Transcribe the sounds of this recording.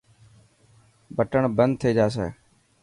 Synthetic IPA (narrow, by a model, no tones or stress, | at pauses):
bəʈəɳbənd̪̚t̪ʰeːd͡ʒaːsḛː